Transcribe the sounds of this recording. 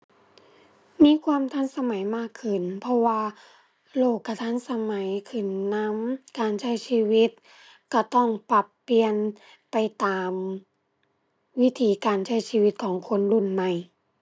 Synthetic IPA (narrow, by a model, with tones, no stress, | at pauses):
miː˧˥˨kʰwaː˧˨mt̪ʰa˧˥˨nsa˧ma˨˦jmaː˧˥˩kʰːɯ˧˩npʰɔ˧waː˧ | loː˧˥˩kʰːa˧˩t̪ʰa˧˥˨nsa˧ma˨˦jkʰɯ˧˩nːa˧˥mkaː˨˧nt͡ɕʰa˧˥˩jsiː˧wi˧˦˥t̪̚ | ka˧˩t̪ɔ˥˩ŋpa˧˩pːi˧ən | pa˨jt̪aː˨m | wi˦˥t̪ʰiː˨˦kaː˨nt͡ɕʰa˧˥˩jsiː˧wi˧˦˥t̪̚kʰɔː˨˩˦ŋkʰo˧˥˨nlu˧˩˨nma˧˩j